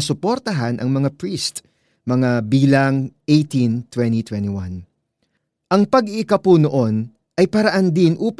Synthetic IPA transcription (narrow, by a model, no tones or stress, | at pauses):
sʊpoɾt̪ɐɦanʔɐŋmɐŋapɹist̪ | mɐŋabiːlɐŋʔejt̪int̪wɛnt̪it̪wɛnt̪iwan | ʔɐŋpɐɡɪʔɪkɐpuno̞ʔo̞n | ʔɐjpɐɾɐʔand̪ɪnʔuːp